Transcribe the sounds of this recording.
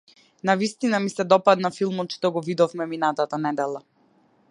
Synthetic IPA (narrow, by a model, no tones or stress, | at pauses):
navist̪inamisɛd̪ɔpad̪nafilˠmɔt̪t͡ʃt̪ɔɡɔvid̪ɔvmɛminat̪at̪anɛd̪ɛlˠa